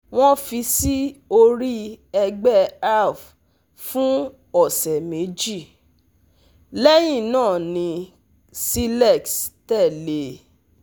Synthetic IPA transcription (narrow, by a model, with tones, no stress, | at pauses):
w̃ɔ̃˦fi˧si˦o˧ɾi˦ɛ˧ɡ͡bɛ˦a˦˨f | fũ˦ | ɔ˦˨sɛ˨me˨˦d͡ʒi˦˨ | lɛ˦j̃ĩ˦˨nãː˦˨nĩ˧ | si˦lɛ˦˨kstɛ˦˨le˨˦